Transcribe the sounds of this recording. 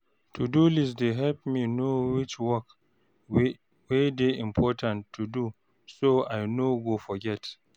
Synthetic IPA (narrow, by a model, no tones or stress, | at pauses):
tʰudulisdeɦɛlpminowɪt͡ʃwɔk | wedeɪ̃mpʰɔtʰãntʰːudu | soajnoɡofɔɡɛt